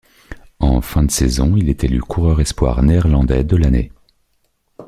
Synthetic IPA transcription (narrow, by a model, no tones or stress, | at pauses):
ɑ̰̃fɛ̃d̪əsezɔ̰̃ilet̪ʰelykʰuʁœʁɛspwa̰ʁneːʁlɑ̃d̪ɛd̪əlanḛ